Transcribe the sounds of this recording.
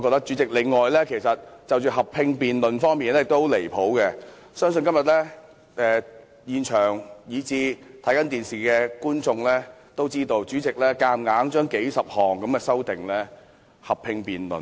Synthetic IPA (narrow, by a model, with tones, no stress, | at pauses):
ɔ˧kɔː˧t̪ɐ˥k̚t͡ʃy˨˥t͡sɪ˨˩k̚lɪ˨ŋːɔː˨jlɛː˥kʰe˨˩jsɐ˨t̚t͡sɐ˨wt͡ʃy˨˩ɦɐ˨p̚ʰɪ˧ŋpiː˨nlɵ˨nfɔː˥ŋmiː˨nlɛː˥jɪ˨k̚t̪o˥wle˨˩jpʰo˨˥wkɛ˧ | sœː˥ŋs̬ɵ˧nkɐ˥mjɐ˨˩t̚lɛ˥ | ɛː˨˧ | jiː˨nt͡ʃʰœː˨˩ŋjiː˨˧t͡siː˨t̪ʰɐ˨˥jkɐ˨˥nt̪iː˨nsiː˨kɛː˧kuː˥nt͡sʊ˧ŋlɛː˥t̪o˥wt͡siː˥t̪o˧wt͡ʃyː˨˥t͡sɪ˨k̚lɛː˥kaː˧mŋaː˨˥ŋt͡ʃœː˥ŋke˨˥jsɐ˨p̚hɔː˨˩ŋkɐ˨˥mkɛː˧sɐ˥wt̪ɪ˨ŋlɛː˥ | hɐ˨p̚pʰɪ˧ŋpiː˨nlɵ̰˨˩n